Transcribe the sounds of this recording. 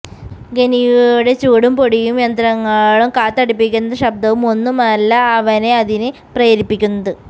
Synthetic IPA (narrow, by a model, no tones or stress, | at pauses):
ɡenijuɽe̞t͡ɕuːɽumpo̞ɽijumjɐnd̪ɾɐŋːɐɭumkaːt̪ːɐɽipːikʲːunːɐðɐɕɐb̚d̪ɐʋumo̞nːumɐlːɐːʋɐne̞ɐðinɨ | prɐjɐɾipːikʲːunːɐðɨ